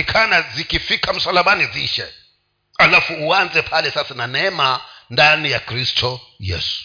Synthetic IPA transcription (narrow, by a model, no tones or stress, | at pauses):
ikʰanazikʰʼifikʰam̩salaɓaniziːʃɛ | alafuuwand͡zʱɛpʰalɛsasinanɛmandʼanijakʰristʰɔjḛːsu̥